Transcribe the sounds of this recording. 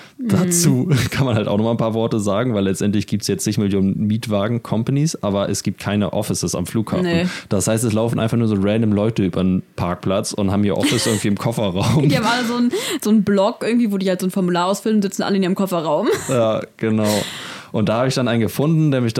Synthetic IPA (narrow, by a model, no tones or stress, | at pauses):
d̥at͡suːkʰanmanhaltʔaʊχnɔχmaɪnpʰaːɐvɔɐtəzaːɡŋ̩vaɪlɛt͡stʔɛntlɪçɡ̥iːp̚tsjɛt͡st͡sɪçmɪljoːnənmiːtv̥aːɡŋ̩kʰɔmpanisʔʔaːbɐʔɛsɡ̥iːp̚t̚kʰaɪnəʔɔ̰fɪsəsa̰mfluːkha̰ːnfnd̥ashaɪstɛslaʊfn̩ʔa̰ɪnfaχnuːɐzoːʁɛndəmlɔʏtəʔyːbɐnənpʰaɐk̚pʰlat͡sʊ̰nthaːbmhiːɐʔɔ̰fɪsʔɪɐɡŋ̩tv̥iːɪmkʰɔfɐʁaʊmiɐvaːdazoːnz̥oːnblɔkʔɪɡŋ̩tv̥iːvoːdiːhaltzoːnfɔɐmulaːɐaʊsfʏlən̩zɪt͡sn̩ʔa̰ləɪnɪmkʰɔfɐʁaʊmjaːɡ̥ənaʊʔʊnt̚d̥aːhaːbəɪçd̥anʔaɪnɡəfʊndn̩deːɐmɪç̥